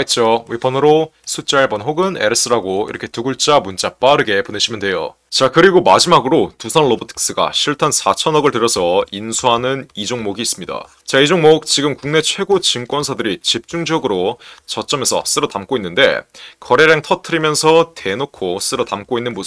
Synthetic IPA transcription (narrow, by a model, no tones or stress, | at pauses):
it͡ɕ͈owipʰʌnɯɾo | sʰut͡ɕ͈aɭbʌnɦoɡɯne̞ɾɯs͈ɯɾaɡoḭɾʌkʰe̞tuɡuɭt͡ɕ͈amunt͡ɕ͈ap͈aɾɯɡe̞poneɕʰimjʌnde̞jo̰ | t͡ɕakɯɾiɡomad͡ʑimaɡɯɾotusʰʌnɭʌbotʰi̥ks͈ɯɡa̰ɕʰiɭtʰansʰat͡ɕʰʌnʌɡɯɭtɯɾjʌsʰʌinsʰuɦanɯnid͡ʑoŋmoɡiːs͈ɯmɲida̰ | t͡ɕaid͡ʑoŋmok̚t͡ɕiɡɯmkuŋne̞t͡ɕʰwe̞ɡot͡ɕɯŋk͈wʌnsʰadɯɾit͡ɕip̚t͡ɕ͈uŋd͡ʑʌɡɯɾot͡ɕʌt͡ɕ͈ʌmesʰʌ̰s͈ɯɾʌtamk͈oinːɯnde̞̰kʌɾe̞ɾjaŋtʰʌtʰɯɾimjʌnsʰʌtʰe̞nokʰos͈ɯɾʌtamk͈oinːɯnmos